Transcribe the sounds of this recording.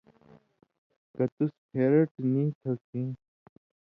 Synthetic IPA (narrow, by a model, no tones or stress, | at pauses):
kɐt̪uspʰeːɾəʈnĩːt̪ʰɐkĩː